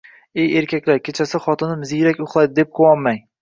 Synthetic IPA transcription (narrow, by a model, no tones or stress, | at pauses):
ejeɾkʲʰakʲlaɾkʲʰet͡ʃʰasɪχɒt̪ʰɪnɪmzijɾakʲʊχlˠajd̪ɪd̪e̞p̚qʰowɒnmaŋ